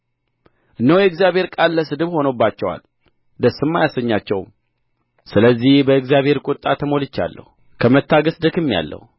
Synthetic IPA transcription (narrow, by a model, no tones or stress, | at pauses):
ʔɨnːəwjɛɨɡzjaβhe̞ɾkʼalːəsɨd̪ɨβho̞nobːat͡ʃːɛwa̰l | d̪əsːɨmːajasəɲːat͡ʃːɛw | sɨləzːihbəɨɡzijaβhe̞ɾkʼʊt̪ʼːat̪ʰəmo̞lɨt͡ʃːa̰lːə̰hu | kʰəmət̪ʰːaɡəsd̪ɨkɨmːija̰lːə̰hu